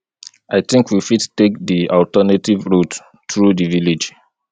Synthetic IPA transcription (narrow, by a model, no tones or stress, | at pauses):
aɪθɪ̃ŋkʰwifidtek̚diɔltənativɹot | tɹudiviled͡ʒ